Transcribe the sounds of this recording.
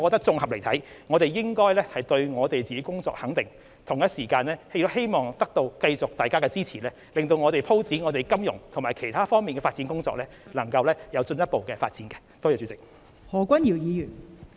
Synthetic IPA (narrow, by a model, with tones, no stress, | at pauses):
kɔː˧t̪ɐ˥k̚t͡sʊ˧ŋhɐ˨p̚le˨˩jt̪ʰɐ˨˥jŋɔː˨˧t̪e˨jjɪ˥ŋkɔː˥jlɛː˥hɐ˨jt̪ɵ˧ɥŋɔː˨˧t̪e˨jt͡siː˨ke˨˥kʊ˥ŋt͡sɔ̰ː˧k̚hɐ˨˥ŋt̪ɪ˨˩ŋ | t̪ʰʊ˨˩ŋjɐ˥t̚siː˨˩kaː˧nlɛː˥he˥jt̪ʊ˥he˥jmɔː˨ŋt̪ɐ˥k̚t̪o˧wkɐ˧jt͡sʊ˨k̚t̪aː˨˩jkaː˥kɛ˧t͡siː˥t͡sʰiː˨˩lɛː˥ | lɪ˨ŋt̪̬o˧wŋɔː˨˧ɾe˨jpʰo˥wt͡siː˨˥ŋɔː˨˧t̪e˨˩jkɐ˥mjʊ̰˨˩ŋt̪ʰʊ˨˩ŋmaː˨˩jkʰe˨˩jt̪ʰaː˥fɔː˥ŋmiː˨nkɛː˧faː˧tt͡siː˨˥nkʊ˥ŋt͡sɔ̰ː˧k̚lɛː˥lɐ˨˩ŋkɐ˧wlɛː˥jɐ˨˧wt͡sɵ˧njɐ˥t̚po˨wkɛː˧fa̰ː˧t̚t͡siː˨˥nkɛ˧t̪ɔː˥jɔː˨˧˩y˨˧˥t͡sɪ˨k̚ | hɔː˨˩kʷɐ˥nji˨˩wjiː˨˧jyː˨˩n